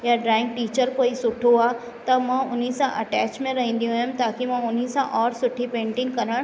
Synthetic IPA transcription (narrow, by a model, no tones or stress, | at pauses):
jaɖɾaːɪ̃ŋɡʈiːt͡ɕəɾkoːisʊʈʰoaː | t̪ɐmãːʔʊnisãʔɐʈɛːt͡ɕmẽɾɐɦĩːn̆d̪ijũɦʊ̃mt̪aːkimãʊn̤isãʔɔːɾsʊʈʰipẽːɳʈɪ̃ŋɡkɐɾə̃